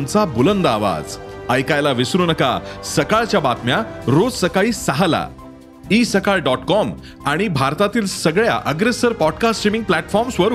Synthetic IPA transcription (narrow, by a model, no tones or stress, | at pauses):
mt͡sabulənd̪aːʋa̰d͡zəjkajlaʋisɾunəka̰səkaɭt͡ɕjabat̪mjaɾod͡zsəkaɭiːsaɦala̰ | isəkaɭɖɔʈkɔm | aɽ̃ibʱaɾt̪at̪iːlsəɡɭja̰ʔəɡɾesəɾpɔɖkasʈːɾimĩŋɡ̚plæʈfɔɾmsʋəɾ